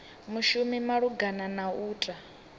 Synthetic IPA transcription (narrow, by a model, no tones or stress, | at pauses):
muʃumimaɺuɡananauːtʼa